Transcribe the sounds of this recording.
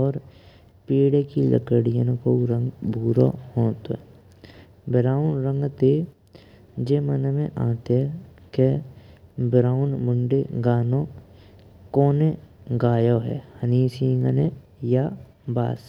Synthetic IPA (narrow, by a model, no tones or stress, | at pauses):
ɔːɾ | piːɽekilə̰kəɽijə̃nkoɾə̃ŋɡbʱuːɾo̰hoːt̪o | bɾaːʊnɾə̃ŋɡt̪e | d͡ʒeːmənmẽʔã̰ːt̪eɛke | bɾaːʊnmʊɳɖeɡaːno | koːneɡaːjoɦɛ̰ːhəniːsiːŋɡəne | ja | ba̰ːs